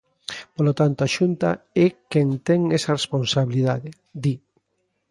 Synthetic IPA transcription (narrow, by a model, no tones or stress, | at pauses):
polot̪ant̪oaʃunt̪a̰ɛkɛŋt̪ɛŋɛsɐresponsaβiliðaðe | d̪i